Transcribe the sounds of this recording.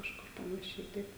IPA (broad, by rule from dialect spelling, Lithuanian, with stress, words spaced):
kɐʃˈkʊr pɐnɐˈʃʲɛɪ ˈtɐɪp